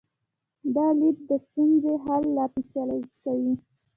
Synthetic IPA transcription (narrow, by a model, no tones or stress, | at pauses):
d̪ɑlip̚d̪əst̪unzeɦalːɑpisjɑlod͡ʒikawi